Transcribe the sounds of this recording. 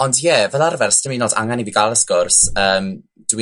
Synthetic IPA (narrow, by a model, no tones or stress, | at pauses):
ɔndjɛvɛðarvɛrsd̥əminɔda̰ŋaniviɡalˠəskʊrsəːm | d̥wi